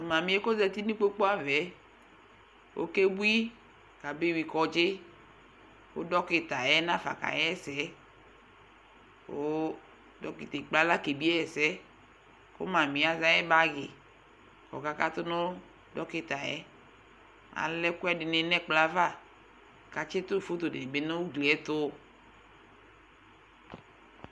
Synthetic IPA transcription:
mã˨mĩ˨˦e˦ko˦zɛ˦t̪i˦nĩ˦k͡po˦k͡po˦a˦vɛ˨˦ | wʔo̰˦ke˦bu˦i˦ | ka˨be˦wi˨kɔ˨d͡ʒe˦ | wo̰˦dɔ˦ke˨t̪a˨jɛ˦nã˦fa̰˨ka̰˨jɛ˦ɛ˦sɛ˨˦ | wo˦ | dɔ˦ki˨t̪e˨k͡pla˦la˦ke˨bi˦ɛ˦ɛ˨sɛ˦ | ko̰˦mã˨mĩ˨a˨za˨jɛ˦ba˦ɡe˨ | kɔ̰˨ka˦ka˦t̪o˦nõ˦ | dɔ˦ke˦t̪a˨jɛ̰˦ | a̰˨lɛ˦kʊ˦ɛ˦dɪ˨ne˨nɛ̃˦k͡pla˦va˦˨ | ka˨t͡ʃe˦t̪o˦˨fo˦t̪o˨de˨be˨˦nõ˦wu˦ɡle˨ɛ˦t̪o˦

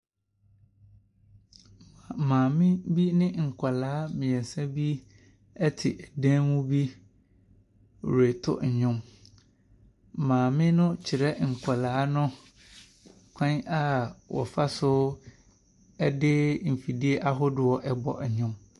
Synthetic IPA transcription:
mãː˨mɪ̃˦bi˦nɪ̃˦ŋ̩˨kʰʷa˨laː˨˦mɪ̃˨ɛ˨sã˦bi˦ | ɛ˦tʰɪ˨ʔɛ˨dæ̃˦mʊ̃˦bi˦˨ | ɾe˨tʰʊ̰˦ɲ̩˨ɲʊ̃˦m˨ | mãː˨mɪ̃˦nʊ̃˦t͡ɕʰɪ˨ɾɛ˦ŋ̩˨kʷʰa˨laː˨˦nʊ̃˦ | kʰã˦ɲa˦wɔ̰˨fa˦sʊ˦ | ɛ˦dɪ˦m̩˨fi˨di˦e˦ʔa˦ɦʊ˦dʊ˨ɔ˨ʔɛ˦bɔ̰˨ɲ̩˨ɲʊ̃˦m

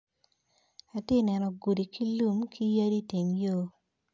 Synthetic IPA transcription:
a˨te˦˨nɛ˨nɔ˨ɡu˨di˨ki˦lu˦mkʰi˦ja˦di˦te˨mjo˦

